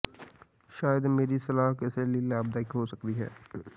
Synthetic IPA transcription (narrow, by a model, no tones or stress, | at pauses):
ʃaːjəd̪meːɾisɐlaːɦkeːselelaːb̚d̪aːɪkɦosɐkt̪iɦɛ̰ː